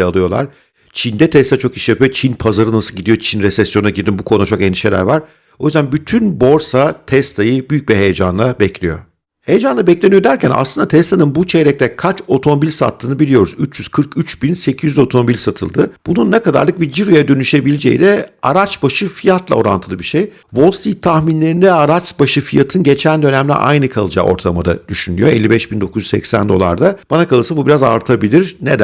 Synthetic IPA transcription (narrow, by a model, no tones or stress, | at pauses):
ɛalˠɯjo̞lˠa̰ɾ̥ | t͡ʃʰind̪ɛt̪ʰɛst̪ʰat͡ʃʰo̞ki̥ʃjapʰyjo̞t͡ʃʰinpʰazaɾɯnasɯlˠɟid̪ijot͡ʃʰinɾɛsɛsjo̞nnaɟiɾd̪imbukʰo̞nud̪at͡ʃo̞kɛnd̪iʃe̞lʲæ̰ɾvaɾ̥ | o̞jyzd̪ænbyt̪ʰynbo̞ɾsat̪ʰɛst̪ʰajɯbyjyc̚biɦejed͡ʒa̰nlˠabɛclʲḭjo̞̰ | hejed͡ʒanˠabɛclʲenijod̪æɾcʰænʔa̰slˠɯnd̪at̪ʰɛst̪ʰanɯnbut͡ʃʰeɾɛc̚t̪ɛkʰat͡ʃo̞t̪ʰomo̞bilʲsa̰t̪ʰːɯːnɯbilʲijo̞ɾuzyt͡ʃjyz̥kʰɯɾkyt͡ʃbinse̞cʰizyzo̞t̪ʰo̞mobilʲsat̪ʰɯ̰lˠd̪ɯb̥ununːɛkad̪a̰ɾlˠɯk̚bid͡ʒiɾojad̪ø̞nyʃe̞bilʲid͡ʒḛjḭd̪ɛaɾat͡ʃbaʃɯfijat̪lˠa̰o̞ɾa̰nt̪ʰɯlˠɯbiɾʃej | vo̞lˠst̪it̪ʰaxminlʲe̞ɾind̪ɛaɾat͡ʃbaʃɯfijat̪ʰɯnɟe̞t͡ʃʰænd̪ø̞næmlʲɛ̰ʔa̰jnɯkʰalˠɯd͡ʒa̰o̞̰ɾt̪ʰalˠma̰d̪a̰d̪̥yʃynly̰jo̞elʲːibɛʃbind̪o̞kuzyssɛ̰csæ̰nd̪o̞lˠa̰ɾd̪ab̥anakʰalˠɯsabubiɾaza̰ɾt̪ʰabilʲiɾned̪æ